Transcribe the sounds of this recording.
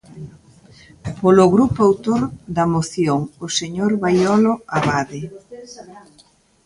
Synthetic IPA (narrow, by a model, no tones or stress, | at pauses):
poloɣɾupoawt̪oɾd̪ɐmoθjoŋoseɲoɾβajɔloaβaðe